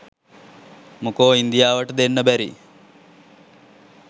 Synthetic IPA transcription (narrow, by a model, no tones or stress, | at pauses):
mukoːind̪ijaːʋəʈəd̪enːəbæɾḭ